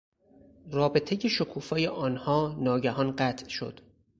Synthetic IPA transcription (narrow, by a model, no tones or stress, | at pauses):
rɒːbe̞t̪ʰejeʃokʰuːfɒːjeʔɒːnhɒːnɒːɟæhɒːnɢæt̪ʰʃo̞̰d̪̥